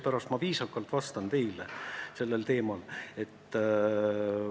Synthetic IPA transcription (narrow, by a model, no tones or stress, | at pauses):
pæɾɑst̪mɑviːsɑkːɑlt̪vɑst̪ɑnt̪e̞jlese̞lːe̞lt̪e̞ːmɑle̞t̪ː